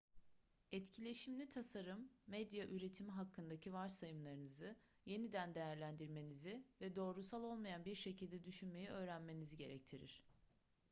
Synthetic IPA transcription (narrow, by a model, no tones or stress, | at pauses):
ɛt̪cʰilʲe̞ʃimlʲit̪ʰasaɾɯmːɛd̪jaʔyɾe̞t̪ʰimiɦakʰːɯnd̪acʰivaɾsajɯmlˠaɾɯnɯzɯ | je̞nid̪ænd̪e̞jæɾlʲænd̪iɾme̞nizivɛd̪o̞ːɾusalˠo̞lˠmajanbiɾʃe̞cʰilʲd̪ɛd̪yʃynme̞jiʔø̞ːɾænme̞niziɟe̞ɾɛc̚t̪ʰiɾḭɾ̥